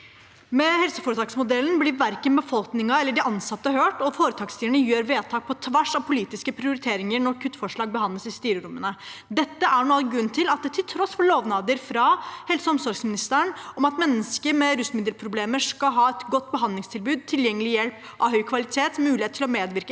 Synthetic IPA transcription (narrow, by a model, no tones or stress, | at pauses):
mɛhɛlsəfɔːɾət̪ʰɑːksmʊd̪ɛln̩blɪʋæɾkənbəfɔlknɪŋɑɛlːəɖɪɑnsɑt̪ːəɦøːʈɔfoːɾət̪ʰɑːkst̪iːʋəɳəjøːɾʋeːt̪ʰɑːk̚pʰɔt̪ʰʋæʂɑʋpʰʊliːt̪ɪskəpʰɾɪʊɾɪt̪ʰeːɾɪŋəɾɳɔɾkʰʉt̪ːfɔʂɭɑːɡ̚bəɦɑnləsɪst̪yːɾəɾʊmːənəd̪ɛt̪ːəʔæɳoːɛɡɾʉnːt̪ʰɪlɑt̪̚d̪ɛt̪ʰɪlt̪ʰɾɔsfɔɭoːʋnɑːd̪əɾfɾɑhɛlsəɔmsɔɾɡsmɪnɪst̪æəɳɔmɑt̪mɛnːəskəmɛɾʉsmɪd̪əlpʰɾʊbleːməʂkɑɦɑːɛt̪ɡɔt̪ːbəɦɑnd̪lɪŋst̪ʰɪlbʉːd̪̚t̪ʰɪljɛŋːəlɪjɛlp | ʔɑʋhœʏkʰʋɑlɪt̪ʰeːt̪mʉːɪeːt̪ʰːɪlɔmeːd̪ʋɪɾkə